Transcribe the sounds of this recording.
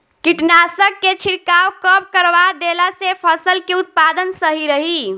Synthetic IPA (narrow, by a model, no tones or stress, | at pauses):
kiʈnasəkːet͡ʃʰiɾkawkəp̚kəɾʋad̪elasepʰəsəlkeut̪̚pad̪ənsəɦiɾəɦi